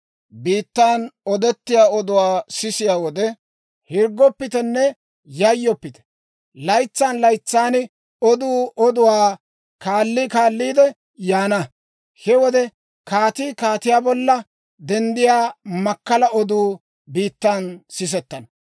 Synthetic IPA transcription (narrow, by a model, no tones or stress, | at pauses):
biːt̪ːaːnɔd̪ɛt̪ːɪjaːɔd̪ʊwaːsɪsɪjaːwɔd̪ɛ | hɪɾɡːɔpːɪt̪ɛnːɛ | jɐjːɔpːɪt̪ɛ̥ | lɐjt͡sːaːnlɐjt͡sːaːnɪ | ɔd̪uːɔd̪ʊwaː | kaːlːikaːlːiːd̪ɛ | jaːnɐ | hɛwɔd̪ɛ | kaːt̪iːkaːt̪ɪjaːbɔlːɐ | d̪ɛnd̪ɪjaːmɐkːɐlɐɔd̪uː | biːt̪ːaːnsɪs̬ɛt̪ːɐn